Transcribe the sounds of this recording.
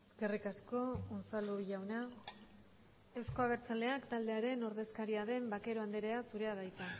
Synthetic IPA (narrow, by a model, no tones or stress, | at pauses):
eske̞rikasko̞onsaluʝawna | e̞wsko̞aβ̞e̞ɾt͡sald̪e̞akt̪ald̪eaɾe̞no̞ɾðe̞skaɾiaðe̞mbake̞ɾo̞and̪eɾe̞asuɾe̞aðajt̪e